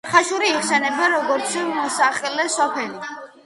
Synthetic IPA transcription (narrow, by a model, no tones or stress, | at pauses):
χaʃuɾiːχsɛnɛbaɾɔɡɔɾt̪sʰmɔsaχɛlɛsɔpʰɛli